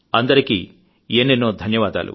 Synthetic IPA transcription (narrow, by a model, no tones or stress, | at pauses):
ɐnd̪ɐɾikḭ | eːnːenːoːd̪ʱɐnjɐʋaːd̪a̰ːlʔṵ